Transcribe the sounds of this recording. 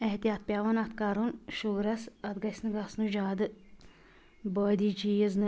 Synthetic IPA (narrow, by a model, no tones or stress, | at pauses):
eht̪ijaːt̪̚pʲjaːʋɐnɐt̪kaːɾunʃuɡɾɐsɐt̪ɡɐsnɨɡasnud͡ʒaːd̪ɨ | bəːd̪iːd͡ʒiːjəznɨ